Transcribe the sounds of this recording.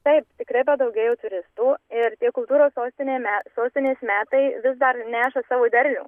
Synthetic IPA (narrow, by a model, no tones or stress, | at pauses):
t̪ɐɪpt̪ʲɪkɾɐɪpɐd̪ɐʊɡʲeːjɛʊt̪ʊɾʲɪst̪uːɪɾt̪ʲiɛkʊlˠt̪uːɾoːssoːsʲt̪ʲɪnʲeːmʲæːsoːsʲt̪ʲɪnʲeːɪsmʲæːt̪ɐɪʋʲɪzd̪ɐrnʲæːʃɐsɑːʋoːd̪ʲɛɾʲlʲṵː